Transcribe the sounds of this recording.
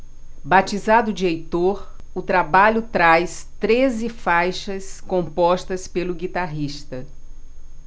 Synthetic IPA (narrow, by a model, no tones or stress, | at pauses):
bat͡ʃizad̪ʊd͡ʒiejt̪oɾ | ʊt̪ɾabaʎʊt̪ɾajst̪ɾezɪfajʃɐskõmpɔʃt̪ɐspelʊɡit̪aɦiʃt̪ɐ